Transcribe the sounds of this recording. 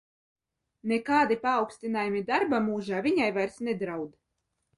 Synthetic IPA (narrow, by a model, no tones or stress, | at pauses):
nekaːd̪ipaːwkst̪ʲinaːjumid̪aɾbamuːʒaːvʲiɲajvajɾsnɛd̪ɾawd̪